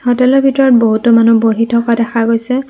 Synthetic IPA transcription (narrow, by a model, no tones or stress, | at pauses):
hɔtɛlɔbʱitɔɹɔt̚boɦutʊmanuboɦitʰɔkadɛxaɡojsɛ